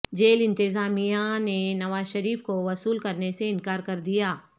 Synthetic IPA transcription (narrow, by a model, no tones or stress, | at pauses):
d͡ʒeːlɪ̃nt̪ɪzaːmijanenɐʋaːzʃɐɾiːfkoʋɐsuːlkɐɾneseɪ̃nkaːɾkɐɾd̪ijaː